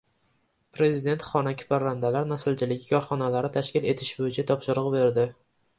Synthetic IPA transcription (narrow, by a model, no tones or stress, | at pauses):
pɾe̞zid̪e̞nt̪χɒnakʲʰɪ̥paɾand̪alaɾnasɪlt͡ʃʰɪlɪɡʲɪkʰɒɾχɒnalaɾɪt̪ʰaʃkʲɪle̞t̪ʰɪʃbojɪt͡ʃʰat̪ʰɒpʃɪɾʊʁbe̞ɾd̪ɪ